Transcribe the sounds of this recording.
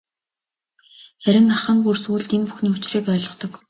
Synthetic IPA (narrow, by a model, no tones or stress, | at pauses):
χæɾʲɪ̆ŋaχə̆ŋɢursuːɮt̪enpuxniːʊt͡ɕriːkœːɮɞ̆χt̪ɞ̆k